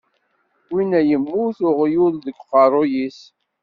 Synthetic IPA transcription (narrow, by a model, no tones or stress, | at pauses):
winæjəmːuθʊʁjuððəɡqɑɾˤojis